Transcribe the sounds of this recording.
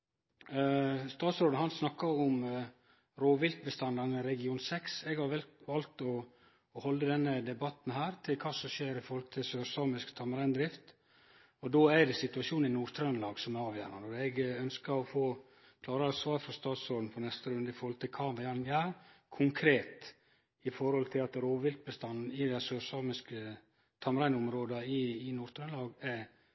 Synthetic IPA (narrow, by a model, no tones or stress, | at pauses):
st̪ɑːt̪sɾoːd̪n̩ɦɑnsnɑkːɑɾɔm | ɾoːʋɪlt̪̚bəst̪ɑnd̪ɑnəɾɛɡɪuːnsɛksɛɡhɑɾʋɛlʋɑlt̪ɔ | hɔlːəd̪ɛnːəd̪ɛbɑt̪n̩hæːɾt̪ʰɪlkʰɑːsɔʃeːɾɪfɔɾhɔlt̪ʰɪlsøːɾsɑːmɪskt̪ʰɑməɾɛnd̪ɾɪft̪ | ɔd̪oːæɾd̪ɛsɪt̪ʉɑʂuːnn̩ɪnuːt̪ʰɾœnlɑːɡsɔmæɾɑːʋjæ̰ːnɑnɔɾɛɡœnskəɾɔfoː | kʰlɑːɾəɑsʋɑːɾfɾɔst̪ɑːt̪soːd̪n̩pʰɔnɛst̪əɾʉnd̪əɪfɔɾhɔlt̪ʰɪlkʰɑːʋɛɑɾŋæːɾkʰʊŋkʰɾeːt̪ | ɪfɔɾhɔlt̪ʰɪlɑt̪ɾoːʋɪlk̚bəst̪ɑnn̩ɪd̪ɛsøːɾsɑːmɪskə | t̪ʰɑməɾæɪnʊmɾoːd̪əɪːnuːɾt̪ʰɾœnlɑːɡæ